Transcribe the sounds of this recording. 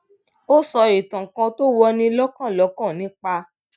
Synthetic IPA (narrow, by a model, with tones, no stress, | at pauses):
o˦sɔ˧i˨tã˨kã˧to˦wɔ˧nĩ˦lɔ˦kã˦˨lɔ˨˦kã˦˨nĩ˨˦k͡pa˧